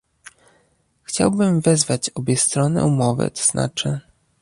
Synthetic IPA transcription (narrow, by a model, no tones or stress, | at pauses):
xt͡ɕawbɘmvɛzvat͡ɕɔbʲjɛst̪ɾɔnɘ̰umɔvɘ̰t̪ɔ̥z̥na̰t͡ʂɘ